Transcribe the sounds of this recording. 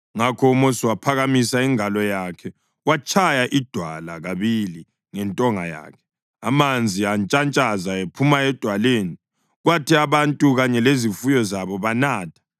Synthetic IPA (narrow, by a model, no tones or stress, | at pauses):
ŋakʰɔumosiwapʰaɣamisaiŋalɔjakʰɛ | wat͡ʃʰajaʔid̥ʱwalaɣaβili | ŋɛntʼɔŋa̰ja̰ːkʰɛ̥ | amand͡zʱiant͡ʃʼant͡ʃʼazaepʰumaɛd̥ʱwaleːni | ɣwatʰiaβantʼuɣaɲɛlezifujɔzaβɔβanaːtʰḁ